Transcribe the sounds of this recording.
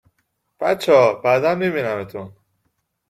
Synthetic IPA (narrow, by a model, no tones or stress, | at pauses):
b̥æ̰t͡ʃːɒbæd̪æmːibinæmet̪ʰun